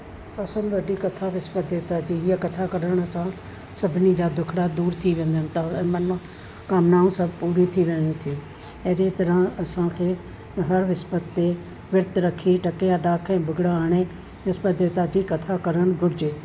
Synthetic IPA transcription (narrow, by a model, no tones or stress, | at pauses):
ɐsənʋɐɖikɐt̪ʰaʋɪspəd̪eːt̪ad͡ʑiiakɐt̪ʰakɐɾəɽ̃ɐsã | sɐbʱnid͡ʑaːd̪ʊkʰɽad̪uːɾt̪ʰiʋẽːn̆d̪ənɪ̆t̪ʰaɛ̃ːmɐnã | kaːmnaːũsɐbpuːɾit̪ʰiʋẽːnt̪ʰiː | eːɾet̪ɐɾə̃ɐsãkʰeː | ɦɐɾʋɪspət̪ːe | ʋɪɾt̪ɾɐkʰiʈɐkejaɖaːkʰɛ̃ːbʱʊɡɽaaːɽ̃e | ʋɪspət̪̚d̪eːt̪ad͡ʑikɐt̪ʰakɐɾəɽ̃ɡʱʊɽd͡ʑeː